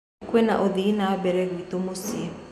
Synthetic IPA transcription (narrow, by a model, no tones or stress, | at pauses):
kwena̰ʔoðiinaɔbɛɾɛɣwitomose